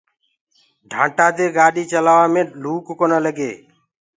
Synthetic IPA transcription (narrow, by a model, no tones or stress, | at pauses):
ɖʱãːɳʈaːd̪eːɡaːɗiːt͡ʃəlaːʋaːmẽːluːkkonələɡeː